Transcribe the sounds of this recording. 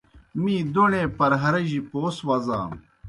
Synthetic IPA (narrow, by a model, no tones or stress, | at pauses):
mĩːd̪oɳẽːpɐɾɦɐɾɐʑipoːswɐza̰ː